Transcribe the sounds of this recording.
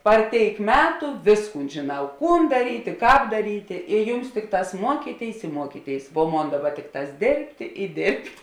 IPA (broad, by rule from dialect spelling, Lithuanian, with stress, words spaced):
pɐr ˈtʲeːɪk ˈmʲæːtʊ ˈʋʲeːsˌkuːn ʒʲeːˈnɐʊ ˈkuːn dɐˈrʲiːtʲeː ˈkɑːp dɐˈrʲiːtʲeː ɪ ˈjʊms ˈtʲɪkˌtɑːs ˈmuɔkʲiːˌtʲeːɪs ɪ ˈmuɔkʲiːˌtʲeːɪs ʋuɔ ˈmoːn ˈdɑːˌbɐ ˈtʲɪkˌtɑːs ˈdʲeːrʲpʲtʲeː ɪ ˈdʲeːrʲpʲtʲ